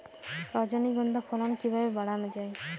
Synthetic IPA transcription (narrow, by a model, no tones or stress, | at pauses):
ɾɔd͡ʒɔniɡɔnd̪apʰɔɾɔnkibabebaɽanɔd͡ʒaj